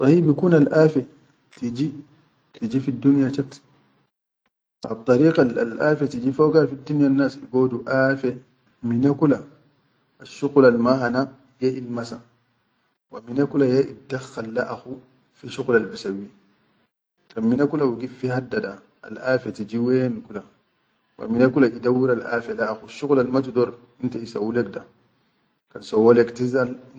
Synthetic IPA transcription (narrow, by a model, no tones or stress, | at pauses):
sˤɑhibikuːnalʔaːfɛ | tid͡ʒi | tid͡ʒifidːunjat͡ʃat | ʔɑ̰t̪ˤːɑɾiːqalalʔafatid͡ʒifowɡafid̪ːunjanːaːsiɡoːduʔafe | minakulaː | ʃːuqlalmaɦana | jeʔilmasa | waminakulajaʔidaxːalːa̰ʔaxu | fiʃuqlalbisawi | kkanminakulawiɡifihadːada | a̰lafetid͡ʒiwenikula | wa̰minakulaʔidawiɾalʔa̰felaaxuʃːuɣlalmat̬udoɾ | intaisawulek̚da | kansowolektizal